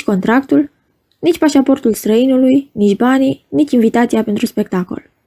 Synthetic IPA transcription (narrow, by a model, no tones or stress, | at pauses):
ko̞nt̪ɾakt̪ul | nit͡ʃʲpaʃapo̞rt̪ulst̪ɾəinulujnit͡ʃʲbaninit͡ʃinvit̪at̪siapent̪ɾuspe̞k̚t̪ako̞̰l